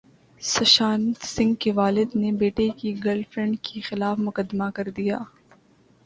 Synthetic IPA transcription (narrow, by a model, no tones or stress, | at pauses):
sɐʃaːnt̪sɪ̃ŋɡkeʋaːlɪd̪nebeːʈekiɡɐlfɾɛ̃ɳɖkixɪlaːfmʊkəd̪ːmakɐɾd̪ijaː